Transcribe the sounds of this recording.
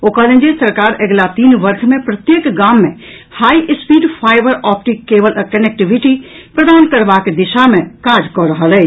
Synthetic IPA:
oːkalẽnd͡ʒesɐɾkaːɾəɡlat̪iːnʋɐɾkʰmẽpɾɐt̪jekɡaːmːḛ̃ | haːiʔɪspiːɖpʰaːɪbəɾɔːp̚ʈɪkːeːʋələkənek̚ʈɪʋɪʈipɾɐd̪aːnkɐɾʋaked̪ɪʃamẽkaːɾd͡ʒkɔɾɐɦəlɛː

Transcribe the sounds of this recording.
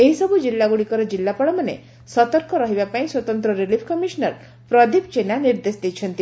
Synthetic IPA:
eɦisɔbud͡ʒilːaɡuɽikɔɾɔd͡ʒilːapɔɭɔmanḛ | sɔt̪ɔɾkɔɾɔɦibapaĩswɔt̪ɔnt̪ɾɔɾilipʰkɔmisɔnɔɾ | pɾɔd̪ip̚t͡ʃenaniɾd̪esd̪ejt͡ʃʰɔnt̪i

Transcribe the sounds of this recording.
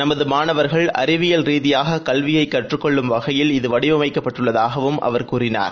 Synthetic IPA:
nɐmɐðɯmaːnɐʋɐɾɣɐɭɐ̰ɾɪʋɪjɐlɾiːðɪjaːɣɐkɐlʋɪjɐɪkːɐʈrɯkːɔɭːɯmʋɐɣɐjɪlɪðɯʋɐɽɪɐmɐɪkːɐpːɐʈːɯɭːɐðaːɣɐʋɯmʔɐ̰ʋɐɾkuːɾɪna̰ːɾ

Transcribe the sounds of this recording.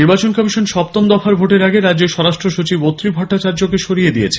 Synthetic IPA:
niɾbat͡ɕonkɔmiʃonʃɔp̚t̪omd̪ɔfʰaɾbʱoʈeɾaɡeɾadːd͡ʑeɾʃɔɾaʃʈɾoʃut͡ɕibot̪ːɾibʱɔʈːat͡ɕaɾd͡ʑokeʃoɾijed̪ijet͡ɕʰe

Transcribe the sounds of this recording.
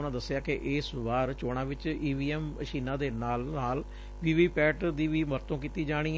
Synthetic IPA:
nãːd̪əsːjaːkɪʔɪːsʋaːɾt͡ʃoːɽ̃ãːʋɪt͡ʃiːʋiːɛːməʃiːnãːd̪eːnaːlnaːl | ʋiːʋiːpɛːʈd̪iːʋiːməɾt̪õːk̬iːt̪iːd͡ʒaːɽ̃iː

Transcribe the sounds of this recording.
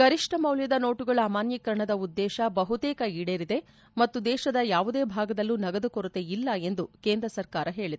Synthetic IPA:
ɡɐɾiʂʈɐmɐwljɐd̪ɐno̞ːʈuɡɐɭaːmaːnjɐkɐɾɐɳɐd̪ɐud̪ːɛːʃɐbɐɦut̪eːkɐiɽeːɾid̪e̞ | mɐt̪ːud̪ɛːʃɐd̪ɐjaːʋud̪e̞ːbʱaːɡɐd̪ɐlːuːnɐɡɐd̪ukoɾut̪e̞ilːɐe̞nd̪uke̞ːnd̪ɾɐsɐɾkaːɾɐɦe̞ːɭid̪e

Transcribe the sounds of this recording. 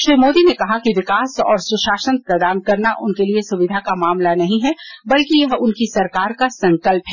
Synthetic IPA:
ʃɾiːmoːd̪inekɐɦakiʋɪkaːsɔ̰ːɾsʊʃaːʃənpɾɐd̪aːnkɐɾnaʔʊnkeliesʊʋɪd̪ʱakamaːmlanɐɦĩɦɛbɐlkijɐɦʊnkisɐɾkaːɾkasɐ̃ŋkəlpɦɛː

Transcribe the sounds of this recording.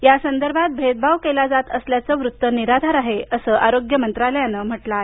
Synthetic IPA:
jasənd̪əɾbʱat̪̚bʱed̪̚bʱaʋkelad͡zat̪əsljat͡səʋɾut̪ːəniɾad̪ʱaɾaɦeəsəʔaɾoɡjəmənt̪ɾaljanəm̤əʈla

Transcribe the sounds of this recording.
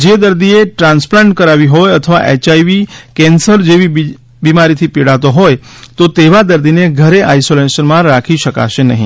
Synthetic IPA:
d͡ʒed̪əɾd̪ieʈɾãnsplãɳʈkəɾaʋiɦojət̪ʰəʋa̰ʔet͡ʃaiʋikɛ̃nsəɾd͡ʒeʋi | bimaɾit̪ʰipiɽat̪oɦojt̪ot̪eʋad̪əɾd̪ineɡʱəɾeʔajsolesənmãɾakʰiʃəka̰ʃenəɦḭ̃

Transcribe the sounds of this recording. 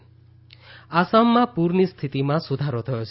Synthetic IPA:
asamːapuɾnist̪ʰit̪imãsud̪ʱaɾɔt̪ʰɔjot͡ʃʰi

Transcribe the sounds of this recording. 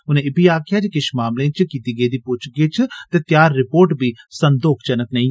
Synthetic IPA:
ʊnẽːɪbiːaːkʰjaːt͡ʃkɪʃmaːmlẽːt͡ʃkiːt̪iːɡəiːd̪iːpʊt͡ʃɡiːt͡ʃt̪eːt̪jaːɾːɪpoːɾʈbiːsənd̪oːkʰt͡ʃənəknəĩː

